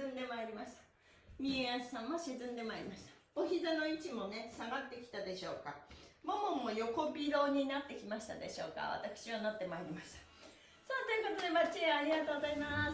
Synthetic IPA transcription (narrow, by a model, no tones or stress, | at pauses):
ɨ̃nd̪e̞maeɾʲimaɕi̥t̪ḁ | mʲieassãmːoɕizɨ̃nd̪e̞maeɾʲimaɕi̥t̪ḁ | oçizano̞it͡ɕimo̞ne̞saɡat̪ːe̞kʲi̥t̪ad̪e̞ɕo̞ːkamomõmːo̞jo̞ko̞bʲiɾo̞ːɲ̟inat̪ːe̞kʲimaɕi̥t̪ad̪e̞̰ɕo̞ːka̰β̞a̰t̪akɯ̥ɕiβanot̪ːe̞maeɾʲimaɕi̥t̪ḁ | sont̪ojɯ̟ko̞t̪o̞d̪e̞mat͡ɕiaɾʲiɡat̪oːɡozaima